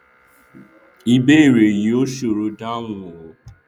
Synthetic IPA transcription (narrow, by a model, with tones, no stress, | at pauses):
i˧be˦i˦˨ɾe˨ji˨o˦ʃo˨ɾu˧da˦wũ˧˨o˨